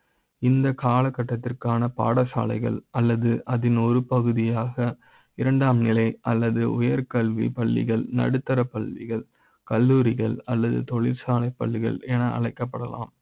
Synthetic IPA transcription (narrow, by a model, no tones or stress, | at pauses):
ɪnd̪ɐkaːlɐkːɐʈːɐt̪ːɪrkaːnɐpa̰ːɽɐsa̰ːlɐɪɣɐ̰ɭʔɐlːɐðɯʔɐðɪnɔɾɯpɐɣɯðɪjaːɣɐ | ɪɾɐɳɖaːmnɪlɐɪɐlːɐðɯʊjɐɾkɐɭʋḭpɐɭːɪ̰ɣɐɭnɐ̰ɽɯt̪ːɐɾɐpːɐɭʋɪ̰ɣɐɭ | kɐlːuːɾɪɣɐɭɐlːɐðɯ̰t̪ɔɭɪɾsaːlɐɪpːɐɭːɪɣɐ̰ɭɛnɐɐ̰ɭɐɪkːɐpːɐɽɐla̰ːm